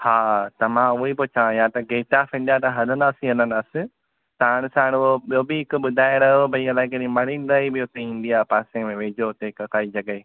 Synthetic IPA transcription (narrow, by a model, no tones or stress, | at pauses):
haːt̪ɐmãʊɦepʊt͡ɕãjãt̪ɐɡeːʈaːfĩːn̆d̪at̪ɐɦɐlənd̪aːsĩɦɐlənd̪aːsɪ | t̪aːɽ̃saːɽ̃ʊɦobjoːbɪɦɪkʊɓʊd̪ʱaːɪɽɐɦobʱɐiɐlaːekeɗĩmɐɽĩn̆d̪aːibijot̪ẽĩn̆d̪ijaːpaːsẽmẽʋẽːd͡ʑot̪ɐɪkɐkaːid͡ʑɐɠəeː